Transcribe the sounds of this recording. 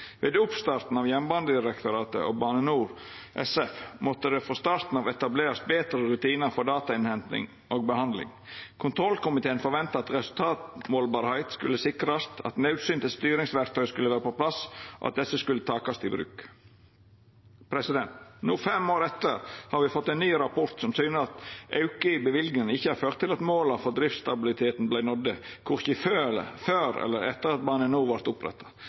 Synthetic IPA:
ʋeːd̪ʊpst̪ɑɾt̪n̩ɑʋjɛmbɑnd̪əd̪ɪɾɛkt̪ʊɾɑːt̪ə̰ʔoːbɑːnənuːɾʔɛ̰sɛfmɔt̪ːəd̪ɛfoːst̪ɑːɾt̪n̩ɑʋɛt̪ɑbleːɾɑs̚beːt̪ɾəɾʉt̪ʰiːnəɾfɔɖ̪ɑːt̪ɑɪnhɛnt̪nɪ̰ŋ | oːɡ̚bəhɑnd̪lɪ̰ŋ | kʰʊnt̪ʰɾɔlkʊmɪt̪ʰeːənfɔɾʋɛnt̪ɑɑt̪ɾɛsʉlt̪ʰɑːt̪moːlbɑːɾhæɪt̪skʉ̰ləsɪkɾɑst̪ʰɑ̰t̪nɑʉt̪syːnt̪əst̪yːɾɪŋsʋæɾk̚t̪œʏskʉləʋæːɾəpopʰlɑsʔɔ̰ʔɑt̪̚d̪ɛsːəskʉlːət̪ʰɑːkɑst̪ɪbɾʉ̰ːk | pʰɾɛsɪd̪ɛnt̪nuːfɛmoːɾɛt̪ːəɾhɑɾʋɪfɔt̪ːɛɪnːyːɾɑpʰɔɾt̪sɔmsyːnəɾɑt̪ʔɑʉkəɪbəʋɪlɡ̪ɪnɪçːəhɑɾføːɾt̪ʰːɪlɑt̪moːlɑfɔɾd̪ɾɪft̪st̪ɑbɪlɪt̪ʰeːt̪n̩blæɪnɔd̪əkʰʊɾçəføːføːɾɛ̰lːəɾɛ̰t̪ːəɾɑt̪̚bɑːnənuːʋɑɾt̪ʊpɾɛ̰t̪ʰːɑ̥

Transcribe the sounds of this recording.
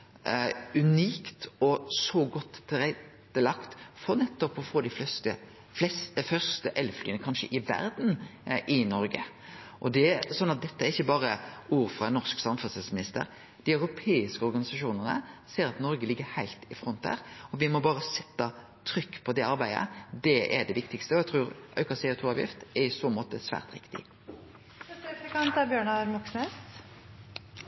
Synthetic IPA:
ʉniːkt̪ɔsɔɡɔt̪ʰːɪɾɛt̪ːəlɑkt̪fɔɾnɛt̪ːɔpɔfoːd̪æɪfst̪ə | fɛsfœʁst̪əʔɛlːflyːənəkʰɑnʃə̰ʔɪʋæ̰ɾd̪n̩ʔɪnɔɾɡə̰ | ʔɔd̪ɛsɔnːɑt̪̚d̪ɛt̪ːəæɾɪçːəbɑːɾəuːɾfʁɑnɔʁsksɑmfʉsɛlsmɪnɪst̪ə̰ɾ | d̪̥ɪœʉɾʊpʰeːɪskəɔʁɡɑnɪsɑʃuːnəʁnə̰seːɾɑt̪nɔɾɡəlɪɡːəɾhæɪlt̪ɪfɾɔnt̪̚æ̰ːɾɔʋɪmɔbɑːʁəsɛt̪ːɑ | t̪ʰɾʏkːpʰɔd̪ɛɑɾbæɪə̰d̪ɛʔɛɖɛʋɪkt̪ɪkst̪əɔɛɡt̪ʰɾuːɾʔœ̰ʏkɑsɛʊːt̪ʰuːɑːʋjɪ̰ft̪ɛɾɪsoːmoːt̪əsʋæ̰ːʁt̪ɾɪ̰kt̪ɪ̰ | ɛəkɑnt̪æɾbjøːɳɑmɑksmɛ

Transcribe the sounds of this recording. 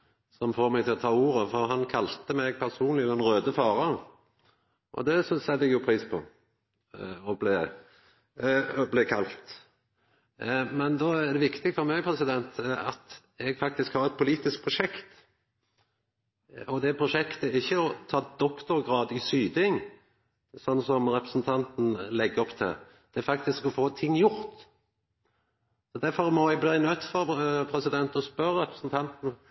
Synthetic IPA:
sɔmfoːɾmɛɡt̪ʰɪlɔt̪ʰɑːuːɾəfɔɾɦɑnkʰɑlt̪əmɛɡ̚pʰæɾsuːnlɪd̪ɛnɾøːd̪əfɑːɾɑ | ʔɔ̰d̪ɛsɔsɛlːɛɡjʊpʰɾiːspʰɔ̰ | ɔblɛ | blɛkʰɑlt̪ | mɛnd̪ɔææʁd̪ɛʋɪkt̪ɪk̪fɔɾmɛɡpʰʁɛsɪd̪ɛnt̪ɑ̰t̪ | ɛɡfɑk̚t̪ɪskhɑɾɛt̪̚pʰʊliːt̪ɪsk̚pʰɾʊʂɛkt̪ | ɔd̪ɛpʰɾʊʂɛkt̪əɪçːəɔt̪ʰɑːd̪ɔkt̪ʊɾɡɾɑːd̪ɪsyːd̪ɪŋ | sɔnːsɔmɾɛpɾəsn̩t̪ʰɑnt̪n̩lɛɡːəɔpt̪ʰɪ̰l | d̪̥ɛfɑkt̪ɪskɔfoːt̪ʰɪŋːjʊɾt̪ | sɔd̪æɾfɔɾmɔɛɡ̚bliːnœt̪ːfɔɾpʰɾɛsɪd̪ɛnt̪ɔspœɾəɾɛpɾəsn̩t̪ʰɑnt̪n̩

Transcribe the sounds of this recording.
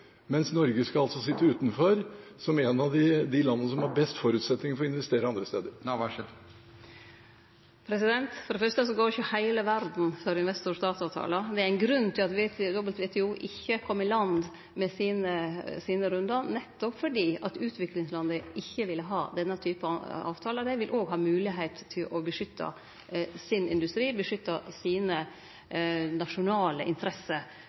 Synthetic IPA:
mɛnsnɔɾɡəskɑɑlt̪sɔsɪt̪ːəʉːt̪nfɔɾsɔmɛnɑʋd̪ɪd̪ɪlɑnːənəsɔmhɑɾbɛst̪fɔɾʉːt̪sɛt̪nɪŋfɔɾɔɪnʋɛst̪eːɾəɑnd̪ɾəst̪eːd̪əɾ | pʰɾɛsɪd̪ɛnt̪fɔɾɖɛfœɾʂt̪əsɔɡoːɾɪçəhæɪləʋæɾd̪n̩fœɾɪnʋɛst̪ʊɾst̪ɑːt̪sɑʋt̪ʰɑ̰ːləd̪ɛæɾæɪnɡɾʉnːt̪ʰɪlɑt̪ʋed̪ɔbəlt̪ʋɛːt̪ʰɛuːʔɪçːəkʰɔmːɪlɑnd̪ | mɛsiːnəsiːnəɾʉnd̪əɾnɛt̪ːɔpfɔɖiːɑt̪ʉːt̪ʰʋɪklɪŋslɑnd̪əʔɪçːəʋɪlːəɦɑːd̪ɛnːət̪ʰyːpəɑ̰ːʋt̪ʰɑːləd̪æɪʋɪlʔoːɡɦɑːmʉːlɪɦɛɪt̪ʰːɪlʔɔbəʂʏt̪ʰːɑ̰ | sɪnɪ̰nd̪ʉst̪ɾiːbəʂʏt̪ːɑsiːnə | nɑʂʊnɑːlə̰ʔɪ̰nt̪ʰɾɛsːəɾ

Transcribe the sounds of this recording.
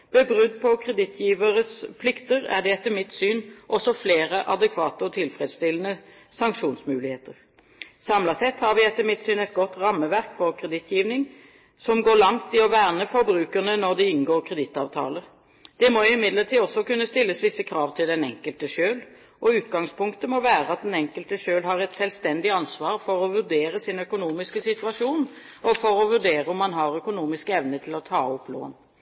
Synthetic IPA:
b̥ɛbʁʉd̪pʰɔkʰʁɛd̪ɪt̪ʰjiːʋəɾəspʰlɪkt̪əɾæ̰ɖ̪ɛɛt̪ːəmɪt̪syːnʔɔsɔfleːɾəʔɑd̪ɛkʰʋɑːt̪əɔt̪ʰɪlfɾɛd̪st̪ɪlːənə | sɑŋkʃuːnsmʉːlɪheːt̪əʁ | sɑmlɑsɛt̪ːhɑɾʋɪɛt̪ːəmɪt̪syːnɛt̪̚ɡɔt̪ʁɑmːəʋæɾkfɔʁkʰɾɛd̪ɪt̪ʰjiːʋnɪŋ | sɔmɡoːɭɑŋt̪ɪɔʋæːʁnəfɔɾbɾʉːkəʁnənɔd̪ɛɪnɡoːʁkʰʁɛd̪ɪt̪ɑːʋt̪ʰɑ̰ːləɾ | d̪̥ɛmɔʊɪmɪd̪ləʈiːɔsːɔkʉnːəst̪ɪlːəsʋɪsːəkʰɾɑːʋt̪ʰɪld̪ɛnɛŋkəlt̪əʃøːl | ʔɔʉːt̪̚ɡɑŋspʊŋkt̪əmɔʋæːɾəɑt̪̚d̪ɛnɛŋkəlt̪əʃøːlɦɑɾɛt̪sɛlst̪ɛnd̪ɪɑnsʋɑːɾfɔɾɔʋʉɾɖeːɾəsɪnœkʊnuːmɪskəsɪt̪ʉɑʂuːn | ɔfɔɾɔʋʉɖ̪eːɾəɔmːɑnɦɑɾœkʊnuːmɪskəɛʋnət̪ʰɪlɔt̪ʰɑːɔplo̰ːn

